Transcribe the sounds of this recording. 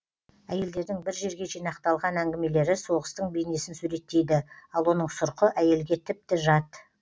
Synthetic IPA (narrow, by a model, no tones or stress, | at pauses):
æje̞ld̪e̞ɾd̪ɪŋbɪɾʒe̞ɾɡʲe̞ʒijnɑqt̪ɑlˠʁɑnæŋɡʲɪme̞le̞ɾɪso̞ʁəst̪əɴbejne̞sɪnsuɾe̞t̪ːe̞jd̪ɪɑlˠwo̞nəɴsʊɾqəʔæje̞lɡʲe̞t̪ʰɪp̚t̪ɪʒɑt̪